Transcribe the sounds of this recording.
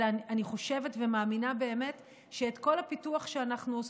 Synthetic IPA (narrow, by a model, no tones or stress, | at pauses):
aniχo̞ʃe̞vetvemaːminabe̞ːme̞t | ʃeːtko̞lhapituaχʃeanaχnuos